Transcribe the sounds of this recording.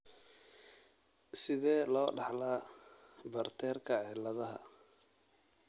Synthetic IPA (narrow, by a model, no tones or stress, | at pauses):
sɪðɛːlɔːɖɑħlaː | bɐrt̪ʰɛːrkʰɐʕɛlɐðɐɦɐ̰